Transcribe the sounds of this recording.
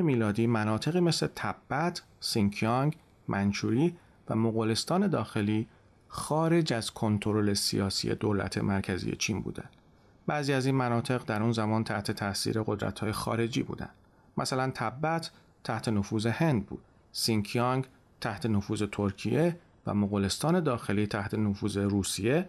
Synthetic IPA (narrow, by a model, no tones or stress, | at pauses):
emiːlɒːd̪iːmænɒːt̪ʰe̞ɣiːme̞sle̞t̪ʰæbːæt̪ʰ | siŋkʰiɒŋɡ | mʔænt͡ʃʰuːɾiː | væ̰moɣole̞st̪ɒːne̞d̪ɒːxe̞liː | xɒːɾe̞d͡ʒæzkʰo̞nt̪ʰoɾole̞sḭjɒːsḭjḛd̪oːlæ̰t̪ʰe̞̰mʔæɾkʰæzḭjḛt͡ʃʰiːnbṵːd̪æ̰nd̪̥ | bæːziːæziːnmænɒːt̪ʰe̞ɣd̪æɾunzæmɒːnt̪ʰæht̪ʰe̞t̪ʰæsḭːɾe̞ɣo̞d̪ɾæ̰t̪hɒːje̞xɒ̰ːɾe̞d͡ʒḭːbṵːd̪æ̰nd̪ | mʔæsælænt̪ʰæbːæt̪ʰ | tʰːæht̪ʰe̞nofuːze̞he̞nd̪̚bṵːd̪̥ | siŋkʰɑŋɡ | t̪ʰæht̪ʰe̞nofuːze̞t̪ʰoɾcʰije̞ | væ̰moɣole̞st̪ɒːne̞d̪ɒːxe̞liːt̪ʰæht̪ʰe̞nofuːze̞ɾuːsije̞